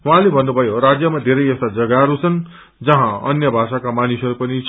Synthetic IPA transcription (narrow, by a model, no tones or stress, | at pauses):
ɦuɦãlebʱʌnːubʱʌjoɾad͡zjʌmad̪ʱeɾʌjʌst̪ad͡zʌɡaɾut͡sʰʌn | d͡zʌɦãʌ̰njʌbʱasakamanisʌɾupʌnit͡sʰ